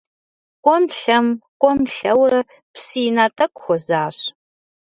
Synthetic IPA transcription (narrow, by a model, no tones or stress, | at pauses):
kʷʼɔmɬɐmkʷʼɔmɬɐwrɐ | psiːnaːtʰʼɐkʷʼxʷɔzaːɕ